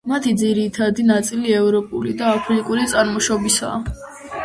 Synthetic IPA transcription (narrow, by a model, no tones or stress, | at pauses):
mat̪ʰid̪ziɾit̪ʰad̪inat̪sʼiliɛvɾɔpʼṵlid̪aːpʰlikʼuɾit̪sʼaɾmɔʃɔbisa̰ː